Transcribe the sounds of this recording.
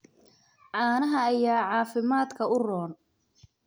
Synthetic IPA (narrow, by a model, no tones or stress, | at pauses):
ʕɑːnɐɦɐːjaːʕɑːfɪmaːd̪kʰɐʊrɔːn